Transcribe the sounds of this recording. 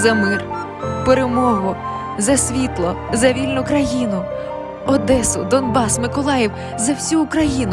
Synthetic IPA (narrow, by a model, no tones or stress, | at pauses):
zɐmɪr | peɾemɔɦʊ | zɐsʲʋʲit̪lˠɔzɐʋʲilʲnʊkɾɐjinʊ | ɔd̪ɛsʊd̪ɔnbɑsmɪkɔlˠɑjiw | zɐwsʲuːkɾɐjinʊ